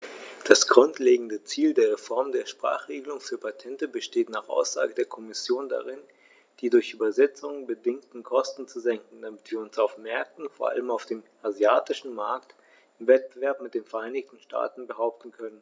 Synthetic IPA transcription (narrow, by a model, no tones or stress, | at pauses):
d̥asɡ̥ʁʊntleːɡŋ̩dət͡siːldeːɐʁ̞efɔɐmdeːɐʃpʁ̥a̰ːχʁ̥eːɡəlʊŋfyːɐpʰatʰɛntəbəʃteːtnaːχʔa̰ʊsz̥a̰ːɡədeːɐkʰɔmɪsjoːnda̰ʁɪn | d̥iːdʊɐçʔyːbɐzɛt͡sʊŋəbədɪŋktn̩kʰɔstn̩t͡suzɛŋkŋ̩d̥amɪtv̥iːɐʊnsaʊfmɛɐk̚tn̩foːɐʔa̰ləmaʊfd̥eːmʔazjaːtɪʃn̩maɐkt | ʔɪmvɛt̚b̥əvɛɐpmɪt̚d̥eːnfɛɐʔaɪnɪçtn̩ʃtʰa̰ːtn̩bəɦaʊp̚tn̩kʰœnən